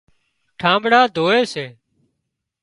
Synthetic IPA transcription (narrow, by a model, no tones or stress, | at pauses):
ʈʰãːmbɽaːd̪ʱoːeːseː